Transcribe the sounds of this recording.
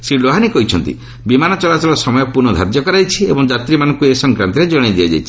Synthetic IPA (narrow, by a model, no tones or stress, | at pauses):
siloɦanikɔɦit͡ʃʰɔnt̪ḭ | bimanɔt͡ʃɔlat͡ʃɔlɔsɔmɔjɔpuɾnɔd̪ʱa̰ɾd̪jɔkɔɾajt͡ʃʰiḛbɔŋd͡ʒat̪ɾimanɔŋkuesɔŋkɾant̪iɾed͡ʒɔɽ̃id̪iad͡ʒa̰jt͡ʃʰi̥